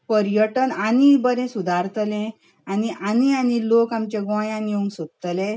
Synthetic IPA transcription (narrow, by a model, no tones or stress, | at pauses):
pəɾjəʈənanibəɾɛ̃sud̪ʱaɾt̪lɛ̃ | aniʔanianilokamt͡ɕeɡʋãjãniũŋɡsot̪t̪lɛ̃